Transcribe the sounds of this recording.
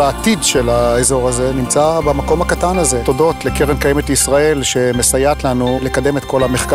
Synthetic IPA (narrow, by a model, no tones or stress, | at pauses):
aːt̪idʃe̞laezo̞ʁaze̞nimt͡sabamako̞mhakat̪anaze̞t̪odo̞t̪lekeʁemkajemetlisʁae̞lʃe̞mesajat̪lanule̞kad̪e̞met̪ko̞lameχk